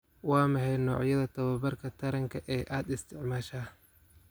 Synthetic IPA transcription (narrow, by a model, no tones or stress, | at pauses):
wɑːmɐħɛjnɔːʕjɐðɐt̪ʰɐβɐbɐrkʰɐt̪ʰɐɾɐŋkʰɐʔɛːʔaːd̪ɪst̪ʰɪʕmaːʃaː